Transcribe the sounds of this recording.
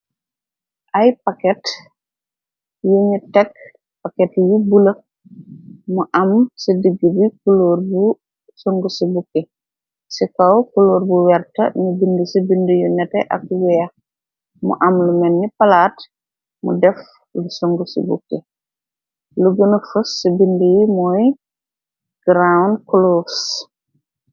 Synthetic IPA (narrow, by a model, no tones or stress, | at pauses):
ʔɐjpɐkɛt | juɲutɛk̚ | pakɛtjubulɐ | muʔɐmsədiɡːəbikuluːɾbu | soŋɡusibukːe | sikɐwkuluːɾbuwɛrtɐ̰nibindəsibindujunɛtɛʔɐ̰k̚wɛja | mṵʔɐmlumɛnːipɐlaːt | mṵdɛf | lusoŋɡusṵbṵkːe | luɡənəfusːibindijimɔːj | ɡ̥ɾawnkuloːs